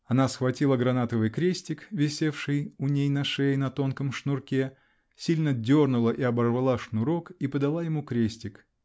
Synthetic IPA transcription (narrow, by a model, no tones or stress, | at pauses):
ɐn̪asxvɐtʲilˠəɡɾɐnat̪əvɨjkɾʲesʲtʲɪkvʲɪsʲe̞fʂɨjʊnʲejnɐʂejnɐt̪o̞nkəmʂnʊrkʲe | sʲilʲnədʲornʊlˠəʔiɐbɐrvalˠaʂnʊɾo̞kipəd̪ɐlˠajɪmukɾʲesʲtʲɪk